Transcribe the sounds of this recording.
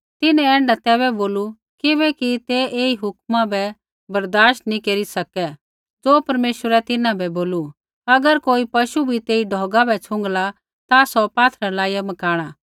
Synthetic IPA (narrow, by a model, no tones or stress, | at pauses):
t̪ɪnɛ̃ɛ̃ːɳɖat̪ɛːβɛboːlu | kɪbɛkit̪eʔeːiɦʊkmãbɛ | bɐɾd̪aːʃʈnĩkeːɾisɐkɛ | d͡zoːpɐɾmeːʃwəɾɛt̪ɪnãbɛboːlu | ɐɡəɾkoːipɐʃubʱit̪eːiɖʱɔːɡabɛt͡sʰʊ̃ŋɡla | t̪asɔpaːt̪ʰɾalaːijamɐkaːɽ̃a